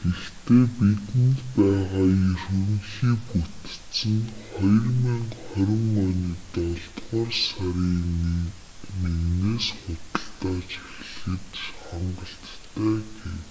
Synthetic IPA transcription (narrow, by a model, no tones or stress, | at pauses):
ɡ̥ext̪eːpit̪ɘ̆nt̪pæːʁaːjɵrwɘ̆ŋxiːput̪t͡sɘ̆ŋχɔjrmiŋχɔɾʲɪ̆ŋɔniːt̪ɔɮt̪ʁɔːrsaɾiːn | neɣneːsχʊt̪ə̆ɮt̪aːt͡ɕi̥xɮɘ̆t̪χaɴɢə̆ɬt̪ʰːæːɡew